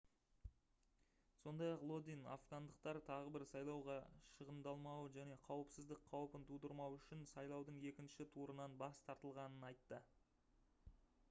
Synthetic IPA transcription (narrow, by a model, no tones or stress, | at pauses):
so̞nd̪ɑjɑqlˠo̞d̪ina̰fɡɑnd̪əq̚t̪ɑɾt̪ʰɑʁəbɪɾsɑjlˠɑwʁɑʃəʁənd̪ɑlˠmɑwəʒæne̞qʰɑwəpsɪzd̪ɪk̚qʰɑwəpənt̪ʰud̪əɾmɑwʏʃɪnsɑjlˠɑwd̪əɴe̞kʲɪnʃɪt̪ʰuɾənɑnbɑst̪ʰɑɾt̪əlˠʁɑnənɑjt̪ːə